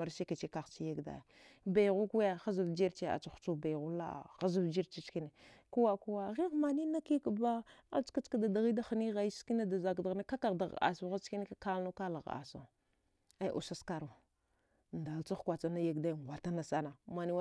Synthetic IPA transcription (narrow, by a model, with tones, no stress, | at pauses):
a˨ɾse˦ke˨t͡ʃe˦ka˨xt͡ʃi˦je˦ɡda̰˨ja˨ | ba˨jɣu˦ku˦ja˦˨xa˦zu˨vd͡ʒi˦ɾt͡ʃe˦a̰˨t͡ʃa˨xt͡ʃu˦ba˨ɣu˦la̰˦˨ɣa˦zu˦vd͡ʒi˦ɾt͡ʃi˦t͡ʃki˦ne˨ku˦wa˦ku˦wa˦˨ɣi˦ɣma˨ni˦na˦ki˦ka˨ba˦a̰̥˦ka˦t͡ʃka˦da˨da˨ɣi˦da˦xa˨ni˦ɣa˨i˦ski˦na˦da˨za˨ɡda˨ɣna˦ka˦ka˨ɣda˨ɣa̰˨sa˦ɣa˦t͡ʃki˦ne˦ka˦ka˦lno˦ka˦la˨ɣa̰˨sa̰˨ | a˦jʔṵ˨sa˦ska˦ɾu˨ | nda˨lt͡sa˦xkʷa˨t͡sa˦na˦ja˦ɡda˦˨ŋʷ˨a˨ta˦na˨sa˦na˨ma˨ni˦